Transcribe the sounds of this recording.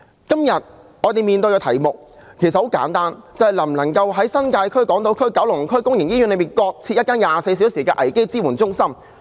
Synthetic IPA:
kɐ˥mjɐ˨t̚ŋɔː˨˧t̪e˨jmiː˨nt̪ɵ˧jɔ˧tʰɐ˨˩jmʊ˨k̚kʰe˨˩jsɐt̚ho˨˥wka̰ː˨˥nt̪aː˥nt͡sɐ˨whɐ˨jlɐ˨˩m˨lɐ˨˩ŋkɐ˧wɦɐ˨˥jsɐ˥nkaː˧jkʰɵ˥ɥkɔː˨˥ŋt̪o˨˧wkʰɵ˥ɥkɐ˨˥wlʊ˨˩ŋ˨kʰɵ˥ɥkʊ˥ŋjɪ˨˩ŋjiː˥yː˨˥nle˨˧miː˨˩nkɔː˧k̚t͡sʰi˧jɐ˥kaː˥njaː˨se˧js̬i˨˥wsiː˨˩kɛː˧ʔɐ̰˨˩jke˥jt͡siː˥wuː˨˩nt͡sʊ˥ŋsɐ˥m

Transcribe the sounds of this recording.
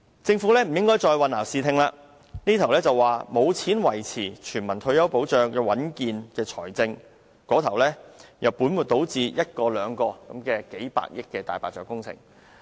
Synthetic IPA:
t͡sɪ˧ŋfuː˨˥lɛː˥m̩˨˩jɪ˥ŋkɔː˥jt͡ʃɔː˧jwɐ˨naː˨˩wsiː˨˧t̪ʰɪ˨˧ŋlaː˧ | niː˥t̪ʰwlɛː˥t͡sɐ˨wwaː˨˩mo˨˧wt͡sʰiː˨˥nwɐ˨˩jt͡sʰiː˨˩t͡ʃʰyː˨˩nmɐ˨˩nt̪ʰɵ˧ɥjɐ˥wpo˨˥wt͡ʃœː˨ŋjɛ˧wɐ˨˥nkiː˨˧nkɛː˧t͡sʰɔ̰ː˨˩jt͡sɪ˧ŋ | kɔː˨˥t̪ʰɐ˨˩wlɛː˥jʔɐ˨˩wpu˨˥nmu˨t̚t̪o˨˥wt͡siː˧jɐ˥t̚kɔː˧lœː˨˧ŋkɔː˧kɐ˨˥mkɛː˧ke˨˥jpa̰ː˧˨k̚jɪ˥kːɛː˧t̪a̰ː˨˩jpaː˨t̚t͡sœː˧˥kʊ˥ŋt͡sʰɪ̰˨˩ŋ

